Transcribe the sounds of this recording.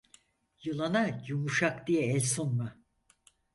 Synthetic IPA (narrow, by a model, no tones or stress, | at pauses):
jɯlˠanajumuʃakd̪ijɛɛlʲsonma